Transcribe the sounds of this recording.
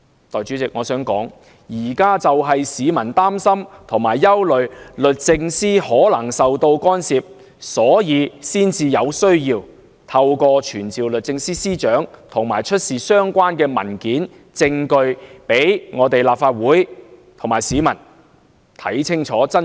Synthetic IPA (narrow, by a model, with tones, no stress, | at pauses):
t̪ɔː˨jt͡ʃyː˨˥t͡sɪ˨k̚ŋɔː˨˧sœː˨˥ŋkɔ̰ː˨˥ŋ | jiː˨˩kaː˥t͡sɐ˨wɦɐ˨jsiː˨˧mɐ˨˩nt̪aː˥msɐ˥mt̪ʰʊ˨˩ŋmaː˨˩jːɐ˥wlɵ˨ɥlɵ˨t̚t͡sɪ˧ŋsiː˥hɔː˨˥lɐ˨˩ŋsɐ˨wt̪o˧wkɔː˥nsiː˨p̚ | sɔː˨˥jiː˨˧siː˥nt͡siː˧jɐ˨˧wsɵ˥ɥjiː˧w | t̪ʰɐ˧wkɔː˧t͡ʃʰyː˨˩nt͡siː˨wlɵ˨t̚t͡sɪ˧ŋsiː˥siː˥t͡ʃœː˨˥ŋt̪ʰʊ˨˩ŋmaː˨˩jt͡ʃʰɵ˥t̚siː˨sœː˥ŋkʷaː˥nkɛː˧mɐ̰˨˩nkiː˨˥n | t͡sɪ˧ŋkɵ˧ɥpe˨˥jŋɔː˨˧t̪e˨jlaː˨p̚faː˧t̚wuː˨˥jt̪ʰʊ˨˩ŋmaː˨˩jsiː˨˥mɐ˨˩n | t̪ʰɐ˨˥jt͡sʰɪ˥ŋt͡ʃʰɔː˨˥t͡sɐ˥n